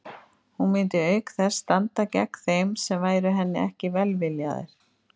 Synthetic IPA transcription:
hunmɪːnt̪ɪœːɥkθɛ̥st̪ant̪acɛ̰kθejmsɛmvaːjɾʏɦɛnːɪɛhcɪvɛlvɪlja̰ðḛɾ̥

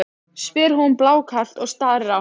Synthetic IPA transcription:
svɪːɾɦunplaːwkʰḁt̪ɔɣst̪aːɾɾa

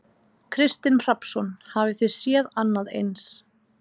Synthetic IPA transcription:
kʰɾɪst̪ɪnr̥apsɔnhavɪθɪsjɛðanːaðḛjns

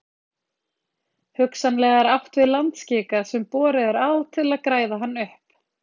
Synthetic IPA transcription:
hʏksanlɛːɣaɾawht̪vɪðlant̪scɪːkasɛmpɔːɾɪðɛɾaːðt̪ʰɪlaðkɾaːjðaɦanːʏhp

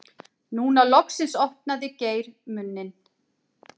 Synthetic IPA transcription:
nuːnalɔksɪnsɔhpnaðɪceːjɾmʏnːɪn

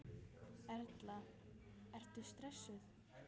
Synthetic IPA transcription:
ɛɾt̪la | ɛr̥t̪ʏst̪ɾɛsːʏθ

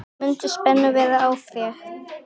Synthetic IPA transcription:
mʏnt̪ɪspɛnːʏvɛːðaaːwθɛɾ

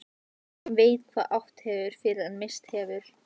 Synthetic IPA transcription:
veːjt̪kʰvaːʔawht̪hɛːvʏɾ̥fɪɾɪðanmɪst̪hɛːvʏɾ̥

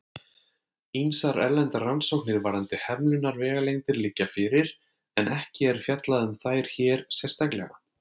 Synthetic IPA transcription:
insaɾɛ̰ɾlɛnt̪aransowknɪɾvaɾant̪ɪhɛmlʏnaɾvɛːɣalejnt̪ɪɾlɪcːafɪɾɪɾ | ɛnɛhcɪɛɾ̥fjat̪laðʏmθaːjɾ̥çɛːɾ̥sjɛ̥st̪aklɛ̰ɣa

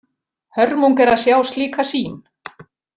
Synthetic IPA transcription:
hœɾmuŋkɛɾaðsjaːwst̪liːkasiːn

